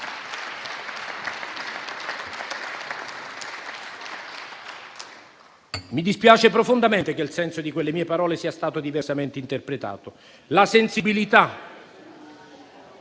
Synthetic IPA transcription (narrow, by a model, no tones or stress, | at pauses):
mid̪ispjaːt͡ʃepɾofond̪ament̪ekelsɛnsod̪ikwelːemiːepaɾɔːlesiːast̪aːt̪od̪iversament̪eint̪erpɾet̪a̰ːt̪o | lasensibilit̪a